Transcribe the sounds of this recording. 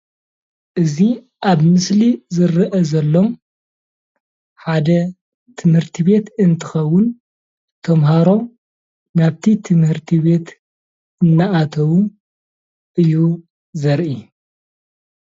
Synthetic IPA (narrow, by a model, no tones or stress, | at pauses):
ʔɨzi | ʔaβmɨslizɨɾɨʔɐzɐlːo̞m | ħad̪ɐ | t̪ʰɨmhɨɾt̪ʰiβe̞t̪ɨnt̪ʰɨ̥xɐwːʊn | t̪ʰɐmɦaɾo̞m | naβt̪ʰit̪ʰɨmhɨɾt̪ʰiβe̞t̪ | ɨnːaʔat̪ʰɐwu | ʔɨjːu | zɐɾʔi